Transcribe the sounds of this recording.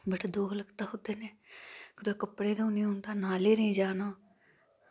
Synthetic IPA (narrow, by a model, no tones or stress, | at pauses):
bəʈʰd̪oːɡləɡt̪aːɦʊd̪eːneːkd̪okəpɽeːd̪ounĩːɦʊ̃ːnd̪aːnaːleːɾəĩːd͡ʒaːnõː